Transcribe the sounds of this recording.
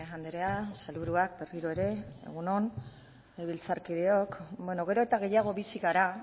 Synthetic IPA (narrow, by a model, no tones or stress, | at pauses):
eɣand̪eɾeasalβuɾuak̚be̞riɾoe̞ɾe̞ḛɣ̞uno̞n | eβilt͡saɾkiðe̞o̞kbwe̞no̞ɣ̞e̞ɾo̞et̪aɣ̞e̞jaɣ̞o̞βisiɣaɾa